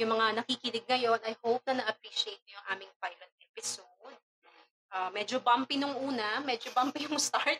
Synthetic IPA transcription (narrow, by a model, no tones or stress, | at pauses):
jʊŋmɐŋanɐkikɪlɪɡ̚ŋɐjo̞nɐjhowp̚nɐnɐʔɐpɾiːʃɪejt̪̚ɲojʊŋʔaːmɪŋpajlɐnt̪̚ʔɛpɪsod̪̚ | ʔaːmɛːd͡ʒobampɪnʊŋʔuːnɐmɛːd͡ʒobampɪjʊŋst̪aɹt̪̚